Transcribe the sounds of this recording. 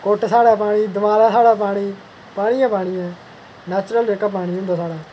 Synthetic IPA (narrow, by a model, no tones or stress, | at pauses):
koːʈsaːɽaːpaːɽ̃iːd̪əʋaːɾaːsaːɽaːpaːɽ̃iː | paːɽ̃iːãːpaːɽ̃iːɛ̃ː | nɛːt͡ʃɾəleːkaːpaːɽ̃iːɦʊ̃nd̪aːsaːɽaː